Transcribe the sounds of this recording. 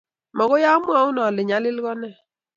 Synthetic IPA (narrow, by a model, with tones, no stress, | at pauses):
mɔ˨ɣʊ˦ja˦mwa˦ʊ˦nɔ˨lɪ˨ɲa˨˦lɪ˦lɡɔ˦nɛ˦˨